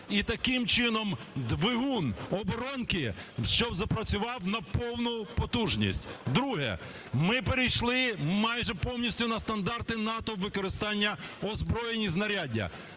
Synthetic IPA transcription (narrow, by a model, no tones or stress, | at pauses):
it̪ɐkɪmt͡ʃɪnɔmd̪ʋɪɦunɔbɔɾɔnkɪʃt͡ʃɔbzɐpɾɐt͡sʲʊʋɑwnɐpɔwnʊpɔt̪uʒnʲḭsʲtʲd̪ɾuɦɛ̰ | mɪpeɾʲijʃlˠɪmɑjʒɛpɔwnʲisʲtʲʊnɐst̪ɐnd̪ɑrt̪ɪnɑt̪ɔʋɪkɔɾɪst̪ɑnʲːɐɔzbɾɔjenʲiznɐɾʲadʲɐ̰